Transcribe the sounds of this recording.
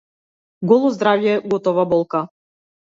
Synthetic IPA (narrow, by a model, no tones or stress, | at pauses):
ɡɔlˠɔzd̪ɾavjɛɡɔt̪ɔvabɔlˠka